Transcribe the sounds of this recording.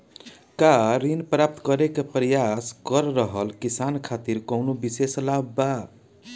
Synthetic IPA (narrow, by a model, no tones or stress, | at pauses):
kaɾinpɾap̚t̪kʌɾekapɾʌjaskʌɾːʌɦʌlkisankʰat̪iɾkʌwnobiseslabːa